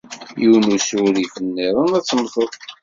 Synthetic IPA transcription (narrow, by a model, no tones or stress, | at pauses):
juwnusuɾifənːiɾˤənæt͡sːəmːθəðˤ